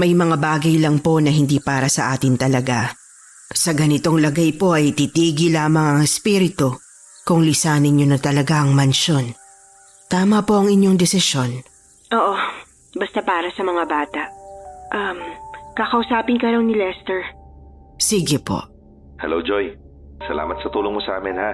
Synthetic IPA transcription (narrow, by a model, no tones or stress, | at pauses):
mɐjmɐŋabaːɡɐjlɐŋpo̞nɐɦɪnd̪iːpaːɾɐsɐʔaːt̪ɪnt̪ɐlɐɡa | sɐɡɐnɪt̪o̞ŋlɐɡajpo̞ʔɐjt̪it̪iːɡɪlaːmɐŋɐŋɛspiɾɪt̪o | kʊŋlɪsaːnɪnɲonɐt̪ɐlɐɡaʔɐŋmɐnʃo̞n | t̪aːmɐpo̞ʔɐŋɪɲjo̞ŋd̪ɛsɪsjo̞n | ʔoːʔo | bɐst̪apaːɾɐsɐmɐŋabaːt̪ɐʔʔɐmkɐkɐʔʊsaːpɪnkɐɾɐwnɪlɛst̪ɛɹ | siɡɪpo̰ʔ | hɛlowd͡ʒoj | sɐ̰la̰ːmɐt̪sɐt̪uːloŋmosʔa̰ːmɪnha